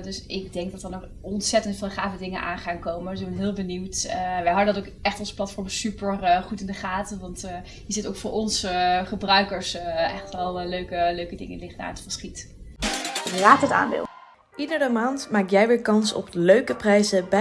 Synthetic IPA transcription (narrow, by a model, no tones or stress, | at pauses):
dɵsɪɡ̚dɛŋɡ̚dɑtəɹnɔχ | ɔntsɛtəntfɪːlˠχaːvədɪŋənʔa̰ːnχaːnkowmənsɪɡ̚bɛnɦɪːlˠbəniwtʋɛjɦɑdəndɑtowkɛχtɔnzə̥plɑtfɔɹmsypərχutɪndəχaːtəʋɑnt | jəzɪtowkfʊːɹʔɔnsχəbrœɥkəɹsʔɛχtʋɛlˠløɥkəløɥkədɪ̰ŋə̰nlɪχtda̰ːətfəsχit | raːtəta̰ːnbɪ̰lˠ | ʔidərəmaːntmaːk̚jɛjʋɪːɹkɑnsɔ̰pəløɥkəprɛjzəbɛ